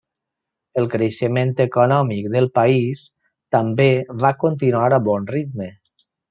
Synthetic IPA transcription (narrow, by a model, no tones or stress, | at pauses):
əlˠkɾeʃəment̪əkonɔmik̚ðəlˠpais | t̪əmbeβakont̪̬inuaɾaβɔnrit̪mə